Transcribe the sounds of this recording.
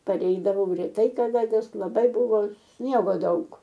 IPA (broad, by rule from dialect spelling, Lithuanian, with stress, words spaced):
pɐˈrʲɛɪdɐʋɐʊ rʲɛˈtɐɪ kɐˈdɐ nʲɛs lˠɐˈbɐɪ bʊˈʋoː ˈsʲnʲiɛɡoː ˈdɐʊk